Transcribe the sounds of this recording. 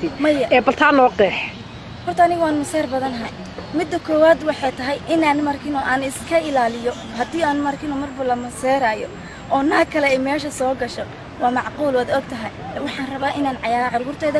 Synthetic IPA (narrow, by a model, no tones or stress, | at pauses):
mɐjɐɛːbɐlt̪ʰaːnɔːqɛːħ | hɔrt̪ʰɐːnɪɣʊaːnmɐsɛːrbɐðɐnɦɐn | mɪd̪ːɐkʰɔːwaːd̪wɑħɑjt̪ʰɐɦɛjʔɪnaːnmɐrkʰɪnɔʔaːnɪskʰɐɪlaːlɪjɔ | hɐd̪iːaːnmɐrkʰɪnɔmɐrbʊlɐmɐsɛːɾaːjɔ | ʔɔːnɐhɐkʰɐlɛɛmɛːʃɐsɔːɡɐʃɔ | wɑːmɑʕquːlwaːd̪ɔɡ̚t̪ʰɐɦɛjwɑħɑːnrɐβaːʔɪnaːnʕɑjaːɾɐʕʊɾɣʊrt̪ʰɛːðɐ